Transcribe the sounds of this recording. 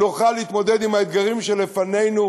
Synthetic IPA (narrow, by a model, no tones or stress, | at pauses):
uχaleit̪mo̞d̪ed̪imhaed̪ɡaʁimʃelefane̞jnu